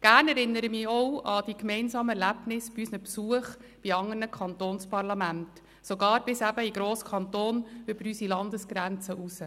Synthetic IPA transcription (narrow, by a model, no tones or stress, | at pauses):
ɡ̥æːɾnɛɾɪnːəɾəmɪɔwʔɑd̥ikmɛɪnsɑːməɛɾlæbnɪsb̥iysnəpsuəχb̥iɑŋːərnəkʰχɑnt̪oːnspɑɾlɑmænt | soɡɑːɾbɪsæbəiɡɾoːskʰɑnt̪oːnɵbəɾysilɑndəsɡ̥ɾænt͡səʔusə